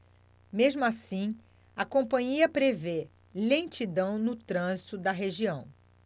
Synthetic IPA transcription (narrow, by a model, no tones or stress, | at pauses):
meʒmʊasĩ | ɐkõpɐ̃ɲiɐpɾeve | lẽt͡ʃid̪ɐ̃w̃nʊt̪ɾɐ̃zit̪ʊd̪ɐɦeʒiɐ̃w̃